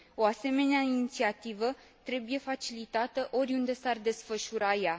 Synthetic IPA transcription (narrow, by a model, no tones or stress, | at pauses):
o̞ase̞me̞neainnit̪siat̪ivə | t̪ɾe̞buje̞fat͡ʃilit̪at̪əʔo̞ɾʲund̪e̞sard̪e̞sfəʃuɾaja